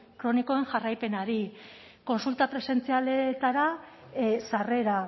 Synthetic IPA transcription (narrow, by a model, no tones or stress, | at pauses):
kɾo̞niko̞e̞ŋʝarajpe̞naɾi | ko̞nsult̪apɾe̞se̞nt͡sialet̪aɾa | sare̞ɾa